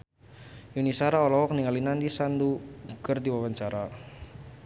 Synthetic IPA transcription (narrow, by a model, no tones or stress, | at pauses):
junisaɾaɔlɔwɔkniŋalinandisanduɡərdiwawaɲt͡ʃaɾa